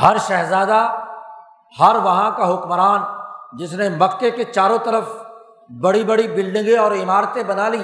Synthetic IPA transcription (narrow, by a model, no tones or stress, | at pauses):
hɐɾʃɛɦzaːd̪a | hɐɾʋɐɦãkaɦʊkmɾaːnd͡ʒɪsnemɐkːeket͡ʃaːɾõt̪ɐɾəf | bɐɽibɐɽibɪlɖɪ̃ŋɡeɔːɾɪmaːɾt̪ebɐnali